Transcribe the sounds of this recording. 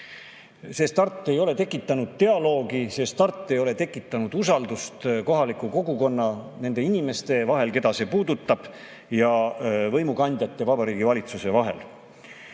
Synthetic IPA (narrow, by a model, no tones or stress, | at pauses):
se̞st̪ɑrt̪ːˑe̞jo̞le̞t̪e̞kːˑit̪ˑːɑnud̪̥̚t̪e̞ɑlo̞ːɡise̞ːst̪ɑrt̪ˑːe̞jo̞le̞t̪e̞kːˑit̪ːˑɑnud̪̥usɑld̪ust̪ko̞ɦɑlikːˑuko̞ɡuko̞nːɑne̞nd̪e̞inime̞st̪e̞vɑɦe̞lke̞d̪ɑse̞puːd̪ut̪ːˑɑb̥ | jɑvɤjmukɑnʲd̪̥ʲjɑt̪ːe̞vɑbɑɾiːɡivɑlʲit̪suse̞vɑɦe̞̰l